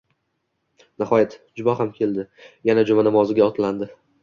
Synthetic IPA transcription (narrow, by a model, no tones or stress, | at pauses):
nahɒjat̪d͡ʒʊbaɦamkʲʰe̞ld̪ɪjanad͡ʒʊmanamɒzɪɡʲaɒt̪ʰland̪ɪ